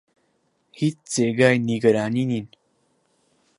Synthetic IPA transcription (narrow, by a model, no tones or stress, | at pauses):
hit͡st͡seɡaːjniɡəɾaːninin